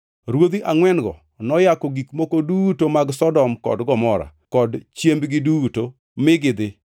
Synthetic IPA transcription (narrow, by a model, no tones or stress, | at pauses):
ɾwod̪iʔaŋwɛnɡɔ | nɔjakɔɡikmokodutomaɡsɔdɔmkɔ̰dɡɔmɔɾa̰kɔdt͡ʃjembɡɪduto | mɪɡɪd̪ɪ